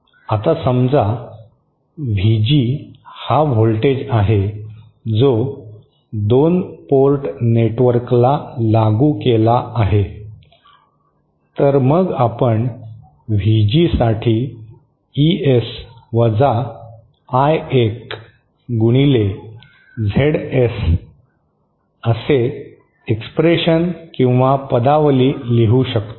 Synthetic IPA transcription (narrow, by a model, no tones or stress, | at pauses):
at̪asəmd͡za | ʋʱid͡ʑihaʋolʈed͡ʑaɦe | d͡zo | d̪onpolʈneʈʋəɾklalaɡuːkelaʔaɦe | t̪əɾməɡapəɳ | ʋ̤ʱid͡ʑisaʈʰiː | iesʋəd͡za | ajek | ɡuɽ̃ile | d͡zʱeɽes | əse | ekspɾeɕənkĩw̃ʋapəd̪aʋəliːliɦuɕək̚t̪o